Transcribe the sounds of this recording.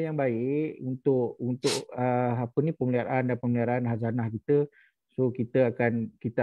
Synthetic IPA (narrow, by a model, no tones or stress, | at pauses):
jaŋbaɪʔunt̪ʊʔunt̪ʊʔəapənipəmliaɾandanpəmliaɾanɦazanahkit̪ə | sokit̪əakankit̪ə